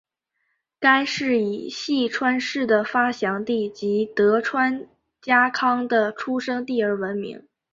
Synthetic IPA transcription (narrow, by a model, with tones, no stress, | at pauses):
ka˥ɪʂɻ̩˥˩i˨˩ɕi˥˩ʈ͡ʂʰwa˥nʂɻ̩˥˩d̪ə˩fa˥ɕjɑ˧˥ŋt̪i˥˩t͡ɕi˧˥t̪ɤ˧˥ʈ͡ʂʰwa˥n | t͡ɕja˥kʰɑ˥ŋd̪ə˨ʈ͡ʂʰu˥ʂɤ˥ŋt̪i˥˩ə˞˥wə˧˥nmḭ˧˥ŋ